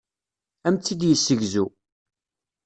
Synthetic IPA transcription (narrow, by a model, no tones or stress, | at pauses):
æmt͡sːid̪jəsːəʝzu